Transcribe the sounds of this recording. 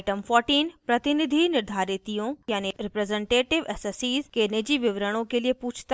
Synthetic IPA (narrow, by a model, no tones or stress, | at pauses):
ʈəmfɔːɾʈiːnpɾɐt̪ɪnɪd̪ʱinɪɾd̪ʱaːɾɪt̪ijõjaːneɾɪpɾezẽɳʈeːʈɪʋeːsosiːzkeɪnəd͡ʑiːʋɪʋɾəɽ̃õkeːliepuːt͡ʃʰt̪a